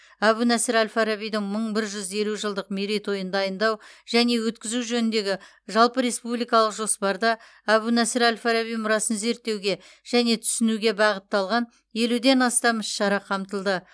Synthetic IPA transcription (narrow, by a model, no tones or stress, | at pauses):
æβunæsɪɾælʲfaɾabijd̪ɪŋməɴbɪɾʒʏze̞luʒəlˠd̪əqmiɾijt̪wo̞jənd̪ɑjənd̪ɑwʒ̥æne̞wɵt̪kʲɪzuʒɵnɪnd̪e̞ɡʲɪ | ʒɑlˠpəɾe̞spublijkɑlˠəqʒo̞spɑɾd̪ɑ | æβunæsɪɾælʲfaɾaβijmʊɾɑsənze̞ɾt̪ːe̞wɡʲe̞ | ʒ̥æne̞t̪ʰʏ̥sɪnuɡʲe̞bɑʁət̪ːɑlˠʁɑn | je̞lud̪e̞nɑst̪ɑmɪʃːɑɾɑqʰɑmt̪əlˠd̪ə